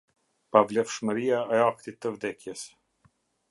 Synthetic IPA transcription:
pavlɛfʃməɾiaɛak̚t̪it̪ːəvd̪ɛkjəs

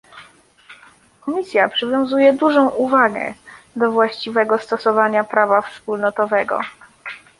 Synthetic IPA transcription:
kɔmʲisʲjapʂɘvʲjɔ̃w̃zujɛd̪uʐɔ̃w̃uvaɡɛ̰ | d̪ɔvwaɕt͡ɕivɛɡɔst̪ɔsɔvaɲapɾavafspulnɔt̪ɔvɛɡɔ̰

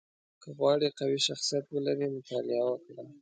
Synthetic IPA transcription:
kʰəɣwɑɽiqawiʃaxsijat̪wəlaɾimʊt̪ɑlɪawəkɽa

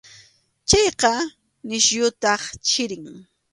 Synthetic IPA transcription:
t͡ʃɑjqɑ | nɪʃjʊt̪ɑχt͡ʃɪɾɪŋ

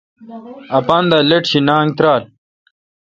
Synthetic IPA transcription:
ɐpaːnd̪aːleʈɕinaːŋt̪ɾaːl

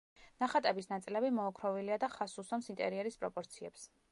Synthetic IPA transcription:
naχat̪ʼɛbisnat̪sʼilɛbimɔːkʰɾɔviliad̪aχasusɔmsint̪ʼɛ̰ɾiɛɾispʼɾɔpʼɔɾt̪sʰiɛ̰ps

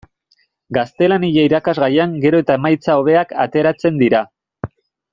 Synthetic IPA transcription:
ɡast̪e̞laniʎaiɾakazɣajaŋɡe̞ɾo̞e̞t̪aemajt͡sao̞β̞e̞aka̰t̪e̞ɾat͡se̞nd̪iɾa

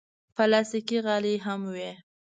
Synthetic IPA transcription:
palɑsikiɣɑliɦamwe

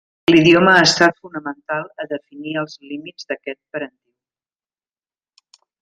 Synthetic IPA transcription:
liðjoməːst̪at̪funəmənt̪alˠəðəfiniəlˠzlimid͡zd̪əkɛt̪̚pəɾənt̪iw

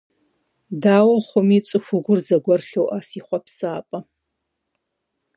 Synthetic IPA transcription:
daːwɐχʷʊmit͡sʼɨxʷʊɡʷʊrzɐɡʷɐrɬowʔasiχʷapsaːpʼɐ

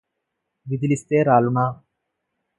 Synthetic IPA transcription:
ʋid̪ilist̪eːɾaːluɳaː

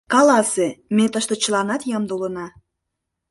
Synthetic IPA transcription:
kɑlɑsemet̪əʃt̪ŏt͡ɕəlɑnɑt̪jəmd̪ulənɑ

